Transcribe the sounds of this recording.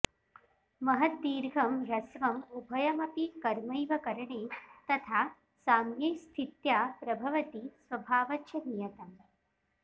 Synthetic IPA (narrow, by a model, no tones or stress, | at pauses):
mɐɦɐt̪̚d̪iːɾɡʱɐmɾɐsʋɐmubʱɐjɐmɐpikɐɾmɐjʋɐkɐɾɐɳeːt̪ɐt̪ʰaː | saːmjɐjst̪ʰit̪jaːpɾɐbʱɐʋɐt̪isʋɐbʱaːʋɐtːjɐnijɐt̪ɐm